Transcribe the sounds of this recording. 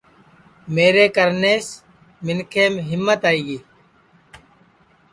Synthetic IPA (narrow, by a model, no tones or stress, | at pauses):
meːɾeːkəɾneːs | mɪnkʰeːmɦɪmːət̪aːiːɡiː